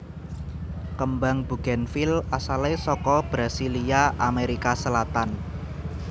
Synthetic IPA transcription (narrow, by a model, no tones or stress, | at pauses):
kəmbaŋb̥ṳɡ̥ɛnfilasalesɔkɔb̥ɾasiliaʔameɾikasəlat̪an